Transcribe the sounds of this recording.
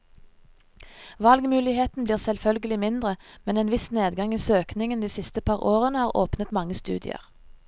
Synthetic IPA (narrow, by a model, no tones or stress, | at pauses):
ʋɑlɡmʉːlɪheːt̪n̩bliːʁsɛlfœlɡəlɪmɪnd̪ʁəmɛneːnʋɪsneːd̪ɡɑŋiːsøːknɪŋənd̪iːsɪst̪əpʰɑːʁoːʁənəhɑːʁo̰ːpnət̪mɑŋːəst̪ʉ̰ːd̪ɪ̰ə̰ʁ